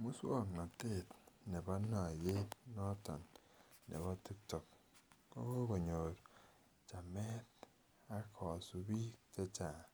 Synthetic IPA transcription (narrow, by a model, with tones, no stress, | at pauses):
mu˦swo˦˨kna˨te˦˨tne˨ba˦na˨je˦t̚nɔ˦tɔ̰˨nːʔḛ˨βa˦ti˦k̚tɔ˨k̚ | ko̰˦ko˦bo˨ɲo˨ɾ | t͡ʃa˨me˦t̚ | a˦kʰɔ˨su˨bi˦te˦t͡ʃa˨